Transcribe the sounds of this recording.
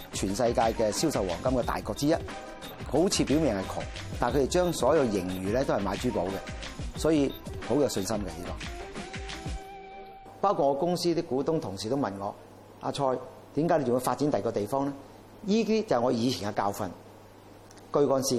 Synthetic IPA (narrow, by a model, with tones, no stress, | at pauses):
t͡ʃʰyː˨˩nsɐ˧jkaː˧jkɛː˧siː˥wsɐ˨wɔː˨˩ŋkɐ˥mkɛː˧t̪a̰ː˨jkɔː˧k̚t͡siː˥jɐ˦˥t̚ | ho˨˥wt͡sʰiː˨˧pi˨˥wmɛː˨ŋhɐ˨˩jkʰɔ̰ː˨˩ŋ | t̪aː˨nkʰte˨jt͡ʃœː˥ŋsɔː˨˥jɐ˨˧wjɪ˨˩ŋjyː˨lɛː˥t̪o˥hjmaː˨˧jt͡ʃyː˥˩po˨˥wkɛ˧sɔː˨˥jiː˧ho˨˥wjɔ˨˧wsɵ˧nsɐ˥mkɛ˧liː˥kɔː˨˩ | paː˥wkʰu˧t̚ŋɔː˧kʊ˥ŋsiː˥t̪ɪ˥kːuː˨˥t̪ʊ˥ŋt̪ʰʊ˨˩ŋsiː˨˩t̪o˥wmɐ˨nŋɔː˨˧ | ʔa̰ː˧t͡ʃʰɔː˧j | t̪i˨˥mkaː˨˥le˨˩ʊ˨ŋː˧faː˧t̚t͡si˨˥nt̪ɐ˨˩kɔː˧t̪e˨jfɔː˥ŋlɛː˥ | jiː˥t̪iː˥t͡sɐ˨ŋɔː˨˧jiː˨˧t͡sʰi˨˩nkaː˧kaː˧wfɐ˧n | kɵ˧ɥkɔː˧nsiː˧